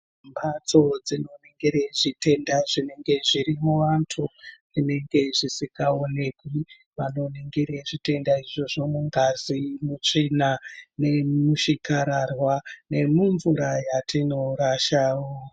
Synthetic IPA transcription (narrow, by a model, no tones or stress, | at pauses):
mbat͡so̞d͡zino̞ne̞ŋɡeɾeʐite̞ndaʐine̞ŋɡe̞ʐiɾimuʋantʰu | ine̞ŋɡe̞ʐisikɡao̞ne̞kwi | ʋano̞ne̞ŋɡeɾeʐite̞ndaiʐo̞ʐo̞muŋɡazimut͡ʂinane̞muʃikaɾarwane̞muɱvuɾajatʰino̞ɾaʃaːwo